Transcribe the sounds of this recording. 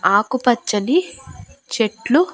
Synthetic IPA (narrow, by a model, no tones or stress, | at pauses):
aːkupɐt͡ʃːɐni | t͡ʃeʈlu